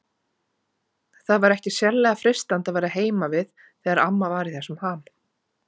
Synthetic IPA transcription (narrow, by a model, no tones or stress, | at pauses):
θaðvaɾɛhcɪsjɛllːɛɣafɾɪst̪ant̪aðvaːjɾaɦeːjmavɪð | θɛɣaɾamːavaːɾɪθɛsːʏmham